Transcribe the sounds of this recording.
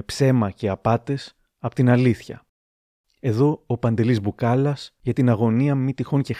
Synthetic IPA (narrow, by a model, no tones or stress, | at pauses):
pse̞mɐceɐpɐt̪e̞s | ɐpot̪inɐliθçɐ̰ | e̞ðo̞ːpɐnd̪e̞lizbukɐlɐsʝɐt̪inɐɣo̞niɐmit̪ixo̞nce̞